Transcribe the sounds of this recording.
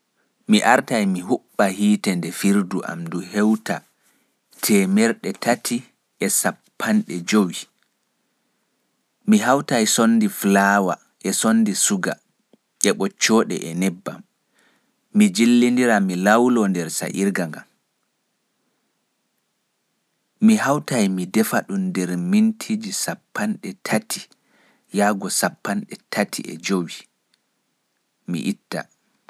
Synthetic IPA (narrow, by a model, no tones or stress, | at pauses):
miʔaɾtajmiɦuɓːahiːtɛndɛfiɾduʔa̰mduhɛwta | tʰɛmɛɾɗɛtatʰi | ʔɛsapʰːanɗɛd͡ʒowi | miɦawtajsonːdiflaːwa | ʔɛsonːdisuɡa̰ | ʔɛɓɔt͡ʃːɔɗɛ̰ʔɛnɛbːa̰mː | id͡ʒilːindiɾamilawlɔndɛɾsa̰ʔiɾɡaŋɡa̰m | mihawtajmidɛfaɗundɛɾmintʰid͡ʒisapːanɗɛtʰatʰi̥ | jaːɡɔsapːanɗɛtʰatʰḭɛ̰d͡ʒowi | mḭʔitːa̰